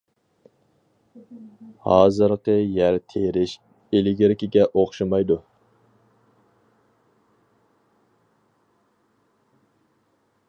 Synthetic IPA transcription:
hɑːzɨɾqəjæɾt̪ʰeɾɪʃ | elɪɡʲɪɾɪkʲiɡʲɛʔoχʃɨmɑjd̪u

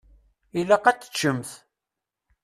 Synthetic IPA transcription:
ilæqɑt͡sːə̥t͡ʃːəmθ

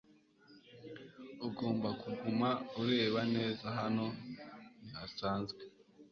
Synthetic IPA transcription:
uɡo̞ːmbakuɡumauɾe̞ːβane̞ːzaɦano̞nihasaːnzɡwe

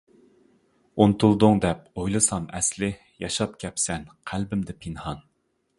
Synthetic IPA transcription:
ont̪ʰulˠd̪ʊŋd̪ɛp̚ojlˠɨsɑmɛ̰slɪ | jɑʃɑp̚kʲʰɛpsɛnqʰælbɪmd̪ɪpʰinhɑn

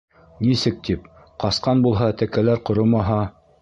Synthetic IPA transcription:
nisɘk̚t̪ʰip̚ | qɑsqɑnbulˠɦɑt̪ækælæɾqŏɾomɑɦɑ

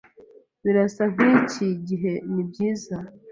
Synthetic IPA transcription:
βiɾasam̥iciɟiɦe̞nib̚ɟiːza

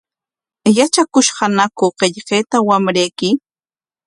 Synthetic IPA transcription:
jat͡ʃakʊʃɢɑnakʊqeʎqeːt̪awamɾejkɪ

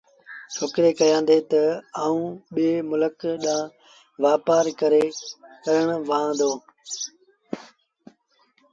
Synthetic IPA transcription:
t͡ʃʰoːkɾeːkəjãːnd̪eːt̪ɐaːũːɓeːmʊləkɗãː | ʋaːpaːɾkəɾeːkəɾəɽ̃ʋãːd̪oː

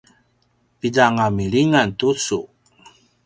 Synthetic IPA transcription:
piɟaŋamiɭiŋantut͡su

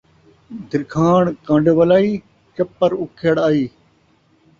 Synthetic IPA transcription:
d̪ɪɾkʰaːɳkãːɳɖeʋɐlaːiː | t͡ʃɐpːɐɾukʰeːɽaːiː

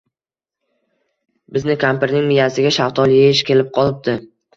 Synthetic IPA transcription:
bɪznɪkʲʰampɪɾnɪŋmɪjasɪɡʲaʃawt̪ʰɒlˠjeɪʃkʲe̞lɪp̚qʰɒlˠɪp̚d̪̥ɪ

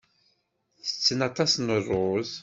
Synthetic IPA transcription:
θə̥t͡sːənɑt̪ˤɑsnərˤːʊð

